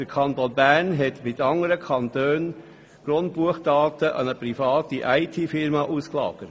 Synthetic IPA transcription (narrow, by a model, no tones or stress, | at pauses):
d̥əkʰɑntonbæʁnɦɛtmɪtɑŋəɾəkʰɑntøːn | ɡ̥rʊnt̚b̥uəχd̥ɑːtəʔɑ̰nəpɾifɑːtiʔaɪtʰiːfɪɾmɑʔuːsklɑ̰ːɡ̥əɾ